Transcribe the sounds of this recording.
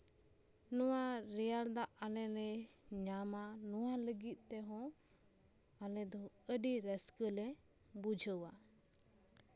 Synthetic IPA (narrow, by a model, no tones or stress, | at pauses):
nɔwaɾɛjaɾd̪aʔalɛnɛɲamanɔwaləɡit̪̚ˀt̪ɛɦɔ̃ | alɛ̃d̪ɔəɖiɾɛskəlɛ̃bud͡ʒʱəwa